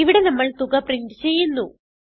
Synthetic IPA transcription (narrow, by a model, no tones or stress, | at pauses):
iʋiɽe̞nɐmːɐɭt̪uɣɐpriɳʈɨ̥t͡ɕe̞jːunːu